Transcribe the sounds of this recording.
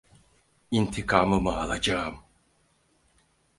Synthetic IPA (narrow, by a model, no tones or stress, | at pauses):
int̪ʰikʰaːmɯmɯalˠad͡ʒam